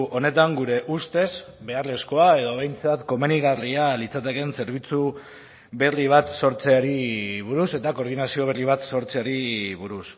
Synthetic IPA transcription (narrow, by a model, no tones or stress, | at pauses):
ʔo̞ne̞t̪aŋɡuɾe̞ʔust̪e̞z | be̞arle̞sko̞ae̞ðo̞β̞e̞jnt͡sat̪ko̞meniɣarialit͡sat̪e̞ke̞nse̞ɾβ̞it͡su | βe̞riβ̞at̪so̞ɾt͡se̞aɾiβuɾuse̞t̪ako̞ɾð̞inasio̞β̞eriβ̞at̪so̞ɾt͡se̞aɾiβuɾus